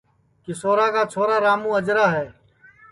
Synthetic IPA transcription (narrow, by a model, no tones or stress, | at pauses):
kɪsoːɾaːkaːt͡ʃʰoːɾaːɾaːmũːəd͡ʒɾaːɦɛː